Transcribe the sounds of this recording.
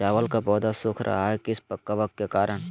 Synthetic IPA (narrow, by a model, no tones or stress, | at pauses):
aːʋəlkapɔːd̪asʊkʰɾʔa̰ɦaɦɛkɪspəkːɐʋəkːekaːɾəɽ̃